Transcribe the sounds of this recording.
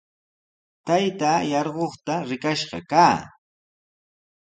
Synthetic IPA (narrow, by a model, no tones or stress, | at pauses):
t̪ajt̪aːjɑɾɢoχt̪aɾɪkaʃɢɑ̰kaː